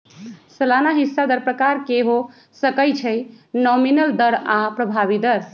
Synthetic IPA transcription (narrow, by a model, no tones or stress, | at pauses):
səlanaɦisːad̪əɾpɾəkaɾkeɦo | səkəjt͡ʃʰəj | nɔminəld̪əɾapɾəbʱaβid̪əɾ